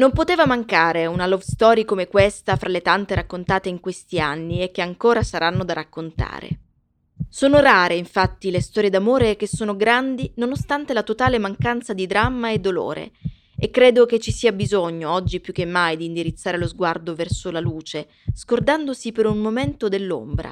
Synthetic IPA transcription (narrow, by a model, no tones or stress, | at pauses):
nompot̪eːvamaŋkaːɾeunalɔvst̪ɔːɾikomekwest̪afɾʔalet̪ant̪eɾakːont̪aːt̪eiŋkwest̪ianːiekːeaŋkoːɾasaɾʔanːod̪arakːont̪a̰ːɾḛ | soːnoraːɾeiɱfat̪ːilest̪ɔːɾjed̪amoːɾekesːoːnoɡɾand̪inonost̪ant̪elat̪ot̪aːlemaŋkant̪sad̪id̪ɾamːaed̪ːolo̰ːɾḛ | ekːɾeːd̪ok̟et͡ʃːisiːabizoɲːoɔd͡ʒːipjukːemːajd̪iːnd̪iɾit̪sːaːɾelozɡward̪ovɛrsolaluːt͡ʃe | z̥kord̪and̪osipeɾunmoment̪od̪elːo̰mbɾa̰